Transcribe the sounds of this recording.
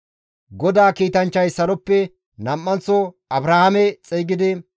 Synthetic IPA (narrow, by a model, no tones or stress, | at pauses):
ɡɔd̪aːkiːt̪ɐnt͡ʃːɐjsɐɾɔpːɛ | nɐmːɐnt͡sːɔ | ɐbɾahɐmɛt͡sʼɛːɡɪd̪ɪ